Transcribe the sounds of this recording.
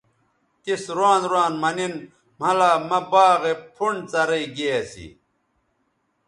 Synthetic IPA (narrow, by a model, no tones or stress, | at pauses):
t̪isɾaːnd̪ɾwaːnmɐnin | mɐlaːmɐbaːɣepʰuɳt͡sɐɾɐiɡejɐsḭ